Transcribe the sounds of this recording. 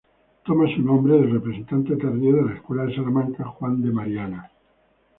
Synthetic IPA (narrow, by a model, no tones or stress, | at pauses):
t̪omasunõmbɾeðelrepɾesent̪ant̪et̪eɾðioðelaeskwelaðesalamãŋkaxwand̪emaɾjana